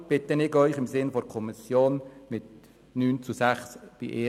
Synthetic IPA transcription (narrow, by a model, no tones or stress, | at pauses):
b̥ɪt̪ənɪkœʏχɪmsɪnfɔɾkʰɔmisjoːnmɪt̪ | nyːnt͡susæχsb̥ḭʔeː